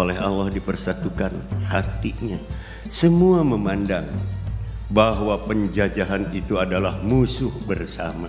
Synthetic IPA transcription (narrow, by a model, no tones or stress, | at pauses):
olɛɦalːahdipərsat̪ukanhat̪iɲa | səmuaməmandaŋ | baɦwapəɲd͡ʒad͡ʒaɦanit̪uadalahmusʊhbərsama